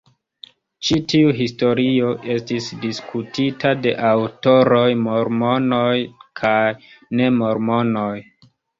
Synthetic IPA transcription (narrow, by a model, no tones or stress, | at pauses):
t͡ʃitiuɦisto̞ɾio̞ʔe̞stisdiskʰutitade̞̰ʔawto̞ɾo̞jmo̞ɾmo̞no̞jkʰajne̞mo̞ɾmo̞no̞j